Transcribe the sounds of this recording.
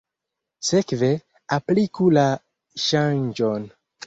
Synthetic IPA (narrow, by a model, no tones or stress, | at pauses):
se̞kve̞ | aplikula | ʃand͡ʒon